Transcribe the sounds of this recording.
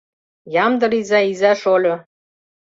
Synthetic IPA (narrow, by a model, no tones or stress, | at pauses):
jɑmd̪ɤ̆ɾizæizæʃolʲo